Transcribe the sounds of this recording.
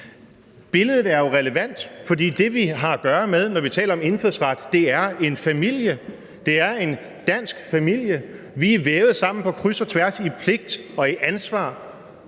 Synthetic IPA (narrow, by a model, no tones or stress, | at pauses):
b̥e̝ləð̞ˠð̩ˠæɐjo̝ʁɛləʋæn̰d̥fɒ̽d̥ḭːd̥e̝ʋiɦɑ̈æɡ̥ɶːɐmeð̞ˠnɒʋit͡sʰɛ̰ːlɐɒ̽me̝nføð̰ˠsʁɑd̥ːe̝æɐe̝nfæmil̰jə | d̥e̝æɐe̝n | d̥æn̰sɡ̥fæmil̰jə | ʋiæʋeːʊð̞̩ˠsɑ̈m̰n̩pʰɒ̽kʰʁysɒt͡sʰʋæɐsipʰle̝ɡ̥̚d̥ɒ̽iʔænsʋɑ̰̈ː